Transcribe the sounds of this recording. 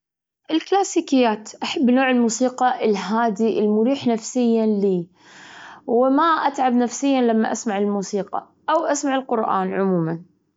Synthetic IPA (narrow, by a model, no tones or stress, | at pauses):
ʔɪlklaːsiːkɪjːaːt̪ʔaħabːnoːʕɪlmuːsiːqɑʔɪlɦaːd̪iʔɪlmʊɾiːħnafsɪjːaliː | wɪmaʔat̪ʕabnafsɪjːanlamːaʔasmaʕɪlmuːsiːqɑ̰ | ʔawʔasmaʕɪlqʊɾʔa̰ːnʕʊmuːman